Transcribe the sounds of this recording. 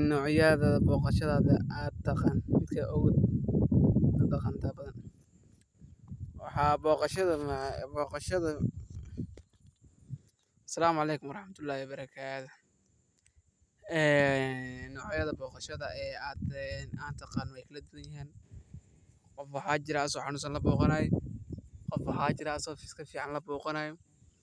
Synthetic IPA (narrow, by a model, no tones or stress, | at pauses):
nɔːʕjɐðɐbɔːqɑʃɐðaːðɐat̪ʰːɑqɑnmɪd̪kʰɐʔɔwd̪ | ɐd̪ɐqɑnt̪ʰɐbɐðɐn | wɑ̰ħɑːbɔːqɑʃɐðɐmbɔːqɑʃɐðɐ | ɐsɐlaːmʊʕɑlɛjkʰʊmwɑɾˤɑħmɐt̪ʰʊlːaːhɪwbɐɾɐkʰaːt̪ʊ̥ | ɛː | nɔːʕjɐðɐbɔːqɑʃɐðɐʔɛːaːd̪ɛnaːnt̪ʰɐqɑːnwɛjkʰɐlɐd̪ʊwɐjɪɦiːn | qɔfwɑħɑːt͡ʃɪɾɛːsɔħɑnʊsɐnlɐbɔːqɑnaːjɛ | qɔfwɑħaːt͡ʃɪɾɐːsɔːfɪskʰɐfiːʕɑnlɐbɔːqɑnajɔ